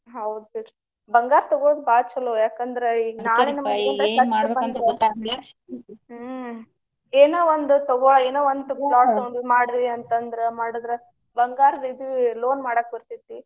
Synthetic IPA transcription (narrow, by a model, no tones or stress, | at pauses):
ɦɐwd̪seʈ | bɐŋɡaːɾt̪ɔɡoːd̪baːt͡ʃɐlojaːkɐnd̪ɐɾeiɡnaːɭenɐmɐɐnd̪ɐkɐʃɐbɐnd̪ɾeɐ | eːnoːʋond̪ut̪ɔɡoeːnoːond̪ulaːʈːɐwɳsmaːɽid̪ʋiɐnt̪ɐnd̪ɐɾemaːɽud̪ɾe | bɐŋɡaːɾɐd̪id̪loːnmaːɽɐk̚bɐɾt̪it̪ːi